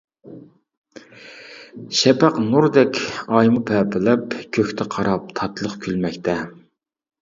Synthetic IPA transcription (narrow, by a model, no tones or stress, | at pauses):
ʃɛpæqnuɾd̪ɛkʲɑjmupʰɛpʰɪlɛpkʲʰøkʲt̪ʰɪqʰɑɾɑp̚t̪ʰɑt̪lˠəχkʲʰylmɛkʲt̪ʰɛ